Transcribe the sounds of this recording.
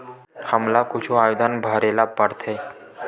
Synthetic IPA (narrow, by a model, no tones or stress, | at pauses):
həmlakut͡ʃʰũajud̪ʱənbʱəɾelapəɽt̪ʰe